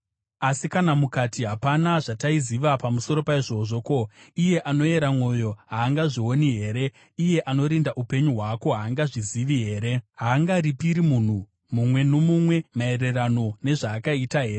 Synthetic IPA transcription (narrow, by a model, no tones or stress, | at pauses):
asikanamukatʰiɦapanaʐataiziʋapamuso̞ɾo̞paiʐo̞ʐo̞koije̞ʔano̞e̞ɾamwo̞jo̞ɦaːŋɡaʐiwoniɦe̞ːɾe̞ | ije̞ʔano̞ɾindaʔupe̞ɲuɦwako̞ɦaːŋɡaʐiziʋiɦe̞ːɾe̞ɦaːŋɡaɾipiɾimun̤u | mumwe̞nomumwe̞mae̞re̞rano̞ne̞ʐaːkaitaɦe̞ːɾe